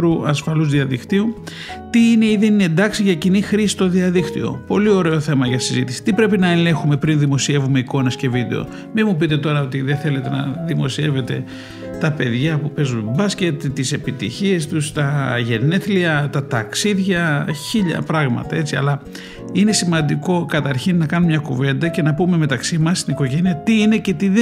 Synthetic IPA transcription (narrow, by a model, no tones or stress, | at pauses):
ɾuɐsfɐluzðiɐðikt̪iu | t̪iine̞iðenine̞nd̪ɐksiʝɐcinixɾisi̥st̪o̞ðiɐðikt̪io̞̰po̞lio̞ɾe̞o̞θe̞mɐʝɐsizit̪isi̥t̪ipɾe̞pinɐele̞xume̞pɾinðimo̞sie̞vume̞iko̞nesce̞vid̪e̞̰o̰ | mimup̬it̪e̞t̪o̞ɾɐo̞t̪iðenθe̞le̞t̪e̞nɐðimo̞sie̞ve̞t̪e̞ | t̪ɐpe̞ðʝɐpupe̞zunbɐsce̞t̪tːise̞pit̪ḭçie̞st̪ust̪ɐʝe̞ne̞θliɐt̪ɐt̪ɐksiðʝɐçiʎɐ̰pɾɐɣmɐ̰t̪ɐe̞t͡siɐ̰lɐ | ine̞simɐnd̪iko̞kɐt̪ɐɾçinːɐkɐnumɲɐkuve̞nd̪ɐce̞nɐpume̞me̞t̪ɐksimɐsːt̪iniko̞ʝe̞niɐt̪iine̞ce̞t̪ið